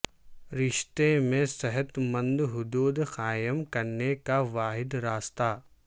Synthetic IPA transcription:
ɾɪʃt̪emẽsɛɦət̪mɐ̃nd̪ɦʊd̪uːd̪qaːjəmkɐɾnekaʋaːɦɪd̪ɾaːst̪aː

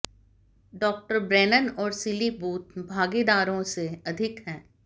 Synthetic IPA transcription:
ɖɔːk̚ʈəɾbɾɛːnənɔːɾsɪlibuːt̪bʱaːɡiːd̪aːɾõseɐd̪ʱɪkɦɛ̃ː

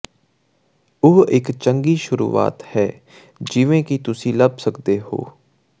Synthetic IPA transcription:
oːɪkt͡ʃəŋɡiːʃʊɾṵːa̰ːt̪hɛː | d͡ʒɪʋẽːkit̪ʊsĩːləbsəkd̪eːɦo̰ː

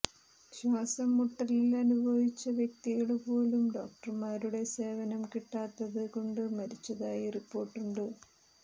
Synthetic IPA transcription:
ɕwaːsɐmːuʈːɐlilɐnubʱɐʋit͡ɕːɐʋjek̚t̪iɣɐɭpo̞ːlumɖo̞ːk̚ʈɐrmaːɾuɽe̞se̞ːʋɐnɐmkiʈːaːt̪ːɐðɨko̞ɳɖɨmɐɾit͡ɕːɐðaːjiripːo̞ːʈːuɳɖɨ

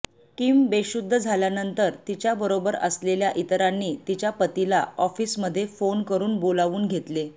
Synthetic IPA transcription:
kimbeɕud̪ʱːəd͡zʱaljanənt̪əɾt̪it͡ɕjabəɾobəɾə̰sleljaʔit̪ɾanːiːt̪it͡ɕjapət̪ilaɔfiːsməd̪ʱːjefonkəɾuːnbolaʋuːnɡʱet̪le

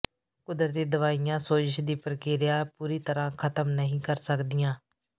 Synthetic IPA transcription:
kʊd̪ɾət̪iːd̪əʋaːijãːsoːd͡ʒɪʃd̪iːpɾəkɪɾjaːpuːɾiːt̪əɾãːkʰət̪əmnəɦĩːkəɾsəkd̪ijãː

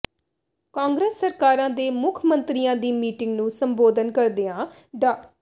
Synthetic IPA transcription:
kãːŋɡɾəsːəɾkaːɾãːd̪eːmʊkʰmənt̪ɾijãːd̪iːmiːʈɪ̃ŋɡnũːsəmboːd̪ənkəɾd̪eːãː | ɖə

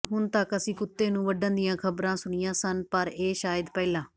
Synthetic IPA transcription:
ɦʊnt̪əkəsĩːkʊt̪ːeːnũːʋəɖənd̪ɪjãːkʰəbɾãːsʊɳɪjãːsənpəɾeːʃaːjəd̪pɛːlãː

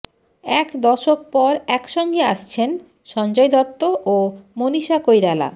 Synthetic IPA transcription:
ɛkd̪ɔʃok̚pɔɾɛkʃɔŋɡeaʃt͡ɕʰen | ʃɔnd͡ʑojd̪ɔt̪ːoʔomoniʃakojɾala̰

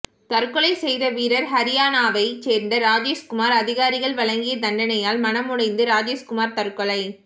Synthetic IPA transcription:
t̪ɐɾkɔɭɐɪsɛjðɐʋiːɾɐɾɦɐɾɪjaːnaːʋɐɪt͡ʃeːɾnd̪ɐɾaːd͡ʒeːskʊmaːɾɐðɪɣaːɾɪɣɐɭʋɐɭɐŋɡɪjɐd̪ɐɳɖɐnɐjaːlmɐnɐmʊɽɐɪnd̪ɯɾaːd͡ʒeːskʊmaːɾt̪ɐɾkɔɭɐɪ

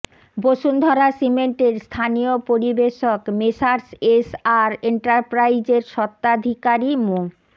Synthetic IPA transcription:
boʃund̪ʱɔɾasimeɳʈeɾst̪ʰaniopoɾibeʃokmeʃaɾsesaɾeɳʈaɾpɾajd͡ʑeɾʃɔt̪ːad̪ʱikaɾimu

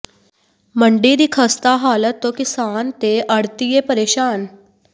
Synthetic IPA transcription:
məɳɖiːd̪iːkʰəst̪aːɦaːlət̪ːõːkɪsaːnt̪eʔəɽt̪iepəɾeːʃaːn

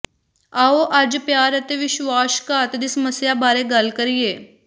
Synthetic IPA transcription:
aːoʔɐd͡ʒpjaːɾət̪eʋɪʃʋaːskat̪ed̪ɪsməsjabaːɾeɡɐlkəɾieː

